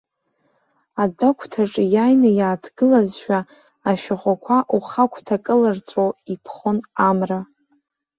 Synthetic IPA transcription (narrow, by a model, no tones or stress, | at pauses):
adakʷʰtʰaʈ͡ʂʼjajnajaːtʰɡ̥ɨlazʃᶣaː | ʃᶣaʁʷakʷʰaʔuχakʷʰtʰakʼɨlart͡sʼowipʰχonamra